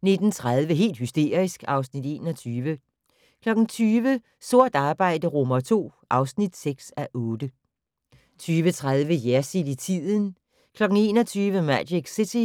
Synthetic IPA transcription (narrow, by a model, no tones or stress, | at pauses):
ne̝d̥n̩t͡sʰʁað̞ˠʋəɦe̝̰ːld̥hysd̥e̝̰ɐ̰ʁisɡ̥ɑ̈ʊsnid̥e̝ːnɒ̽t͡sʰyːʋə | kʰlɒ̽ɡ̥n̩t͡sʰyːʋə | so̝ɐ̰d̥ɑ̈ːb̥ɑ̈ɪ̰d̥əʁomɐt͡sʰo̝̰ːʔɑ̈ʊsnid̥seɡ̥sæʔɔ̽ːd̥ə | t͡sʰyːʋət͡sʰʁað̞ˠʋəjæɐsid̥it͡sʰið̰ˠn̩ | kʰlɒ̽ɡ̥n̩e̝ːnɒt͡sʰyːʋəmædeɡ̥sit͡sʰi